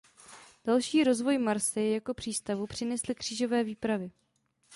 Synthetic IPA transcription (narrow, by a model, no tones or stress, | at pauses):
d̥alʃiːɾo̞zvo̞jmaɾsɪjakopr̝̥iːst̪avupr̝̥ɪnɛslɪkr̝̥iːʒo̞vɛːviːpɾavɪ